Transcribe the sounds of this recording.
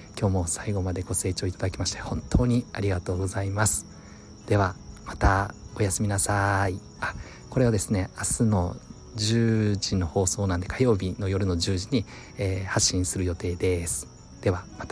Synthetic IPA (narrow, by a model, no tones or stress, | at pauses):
kʲo̞ːmo̞saiɡo̞mad̪e̞ɡo̞se̞ːt͡ɕo̞ːit̪ad̪akʲimaɕi̥t̪ehõ̞nt̪ʰo̞ːɲ̟iaɾʲiɡat̪o̞ːɡo̞zaimasɨ̥ | d̪̥e̞βamat̪ao̞jasɨmʲinasai | a | ko̞ɾe̞βad̪e̞sɨne̞asɨno̞̰ | d͡ʑɨːʑino̞ho̞ːso̞ːnãnd̪e̞kajo̞ːbʲino̞jo̞ɾɯ̟no̞ʑɨːʑiɲ̟i | eːhaɕːĩɰ̃sɨɾɯ̟jo̞t̪e̞ːd̪e̞sɨ̥ | d̪̥e̞βamat̪a